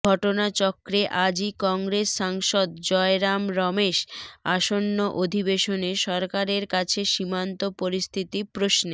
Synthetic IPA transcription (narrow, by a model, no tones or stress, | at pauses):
ɔʈonat͡ɕɔkɾeʔad͡ʑikɔŋɡɾesːaŋʃɔd̪̚d͡ʑɔeɾamɾɔmeʃaʃonːoʔod̪ʱibeʃoneʃɔɾkaɾeɾkat͡ɕʰeʃimant̪opoɾist̪ʰit̪ipɾosne